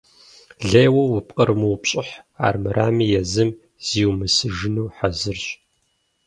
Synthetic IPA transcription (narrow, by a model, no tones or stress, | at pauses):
ɮeːjwɐwʊpqʼɐrmɨwpɕʼɪħa̰ːrmɨrʔaːmiːjɛzɨm | z̥iːwmɨsɨʒɪnuːħazɨrɕ